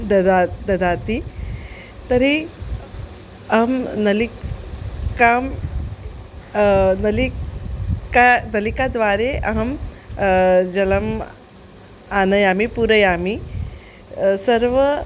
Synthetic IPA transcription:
d̪ad̪ɐd̪aːt̪i | t̪ɐɾi | ɐɦɐmnɐli | kaːm | nɐli | kanɐlikaːd̪ʋaːɾeʔɐ̰ɦɐm | d͡ʒɐlɐm | aːnɐjaːmipuɾɐjaːmi | sɐɾʋɐ

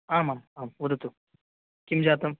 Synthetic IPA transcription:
aːmaːmaːmwɐd̪ɐt̪u | kʲimd͡ʑaːt̪ɐm

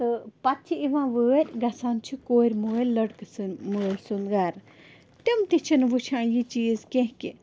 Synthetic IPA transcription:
t̪ɨpɐt̪t͡ʃʰiiʋãːʋəːɾʲɡɐsant͡ʃʰikoːɾʲmuːlɐɽksɨməːɾʲsunɡaːɾ | t̪imt̪it͡ʃʰinʋɨt͡ʃʰãːjit͡ʃiːzkẽɦki

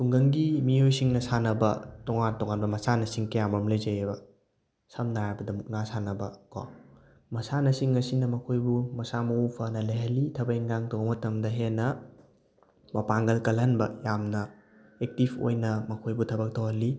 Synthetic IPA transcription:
tuŋɡɐŋɡimiojsiŋnɐsanɐbɐ̰tɔŋantɔŋanbɐmɐsanɐsiŋkɐjamɐmlɐjzɐjebɐ | sɐmnajabɐdɐmuk̚nasanɐbɐko̰ | mɐsanɐsiŋɐsinɐmɐkʰojbumɐsamɐupʰɐnɐlɐjɦɐlːitʰɐbɐeŋɡaŋtobɐmɐtɐmdɐɦenːɐ | mɐpaŋɡɐlkɐlɦɐnbɐjamnɐ | ek̚tipʰo̰jnɐmɐkʰojbutʰɐbɐk̚tʰowhɐlːi

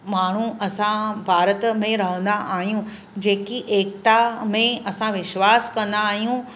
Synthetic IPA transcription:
maːɳ̤ũɐsãbʱaːɾət̪mẽɾɐɦə̃nd̪aʔaːɦijũ | d͡ʑeːkiʔeːkt̪amẽɐsãʋɪʃwaːskɐ̃nd̪aːɦijũ

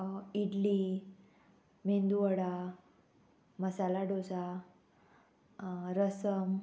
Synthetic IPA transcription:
iɖli | mend̪uʋəɽa | məsalaɖosa | ɾəsəm

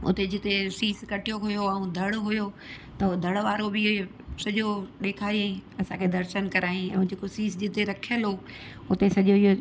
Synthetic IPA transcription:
ʊ̰t̪ed͡ʑɪt̪esiːskɐʈijoɦʊjoɐ̃ũd̪ʱɐɽɦʊjo | t̪ɐd̪ʱɐɽʋaːɾobɪ | sɐʄoɗ̪eːkʰaːiẽɐsãkʰed̪ɐɾʃənkɐɾaːĩɛ̰̃ːũd͡ʑeːkosiːsd͡ʑɪt̪eɾɐkʰijəlɦoː | ʊt̪esɐʄoiɦo

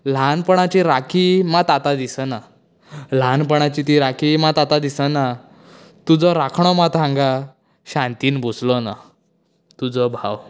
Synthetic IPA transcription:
lanpəɳ̃at͡ɕiɾakʰimat̪at̪ad̪isəna | l̤anpəɽ̃at͡ɕit̪iɾakʰimat̪at̪ad̪isəna | t̪ud͡zɔɾakʰɳ̃ɔmat̪ãŋɡa | ɕãnt̪iːnbod͡zlɔna | t̪ud͡zɔbʱaw

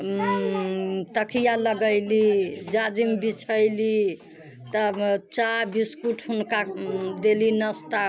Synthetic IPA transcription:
t̪əkʰijaləɡəjlid͡ʒad͡ʒimbit͡ʃʰəjli | t̪ət͡ʃabiskuʈʰɦunkad̪elinəst̪a

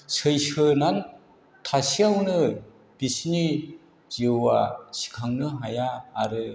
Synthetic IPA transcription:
sɯjsɯnan | tʰasiawnɯ | b̥isni | z̥ɯwasi̥kʰaŋnɯɦajaːɾɯ

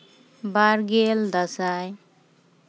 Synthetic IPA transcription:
baɾɡeld̪ʌsaj

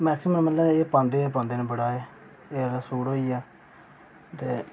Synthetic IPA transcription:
mɛːksɪmənməlːaːeːpãːnd̪eːpãːnd̪eːnẽːbəɽaːeː | eːɾasuːɽoːiːaː | t̪eː

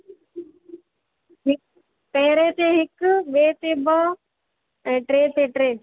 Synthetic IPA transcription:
ɦɪk | peːɾeːt̪eːɦɪkʋeːt̪eːbɔː | ɛ̃ʈɾeːt̪eːʈɾeː

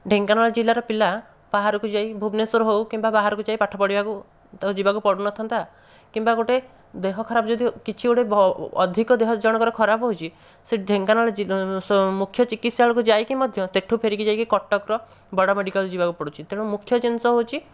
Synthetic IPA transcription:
ɖʱeŋkanaɭɔd͡ʒilaɾɔpila | b̥aɦaɾɔkud͡ʒaibʱubnesɔɾɔɦowkimbabaɦaɾɔkud͡ʒajpaʈʰɔpɔɽibaku | t̪d͡ʒibakupɔɽunɔt̪ʰɔnt̪a | kimbaɡoʈe | d̪eɦɔkʰɔɾabɔd͡ʒɔd̪ʱikit͡ʃʰioɽebɔd̪ʱikɔd̪eɦɔd͡ʒɔɽ̃ɔkɔɾekʰɔɾabɔɦot͡ʃʰi | seɖʱeŋkanɔɭɔimukʰːjɔt͡ʃikit̪ʰsaɭɔkud͡ʒajkimɔd̪ʱjɔseʈʰupʰeɾikid͡ʒajkikɔʈːɔkɾɔ | bɔɽɔmeɽikɔld͡ʒibakupɔɽut͡ʃʰit̪eɽ̃umukʰːjɔt͡ʃinsɔɦowt͡ʃʰi

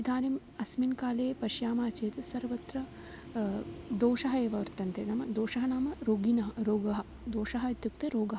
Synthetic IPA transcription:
id̪ʱaːnim | ɐsminkaːleːpɐʃjaːmaːt͡ʃeːt̪ɐsɐɾʋɐt̪ɾɐ | d̪oːʃɐɦɐeːʋɐʋɐɾt̪ɐnt̪enɐmɐd̪oːʂɐɦɐnaːmɐɾoːɡinɐɦɐɾoːɡɐɦɐ̆ | d̪oːʂɐɦɐit̪juk̚t̪eɾoːɡɐɦɐ

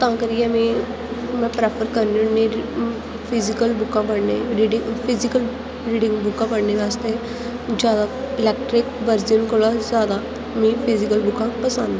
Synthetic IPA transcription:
t̪ãːkəɾiɛmĩ | mɛ̃pɾɛːpʰəɾkəɾninːĩɾ | pʰizikəlbʊkãpəɽneɾiɖiŋpʰizikəl | ɾiːɖɪ̃ŋɡbʊkãpəɽneʋaːst̪e | d͡ʒjaːd̪a | ɪlɛːkʈɾɪkʋəɾd͡ʒənkoɭazjaːd̪a | mĩːpʰizikəlbʊkãpəsə̃nd̪

